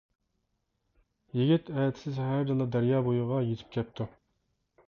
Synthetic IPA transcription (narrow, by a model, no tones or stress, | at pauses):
jiɡʲit̪ʰɛjɛt̪ʰsɪzhæɾd̪ɨlˠɑd̪æɾjɑːbojuʁɑjet̪ʰɪ̥p̚kʲʰɛp̚t̪ʰu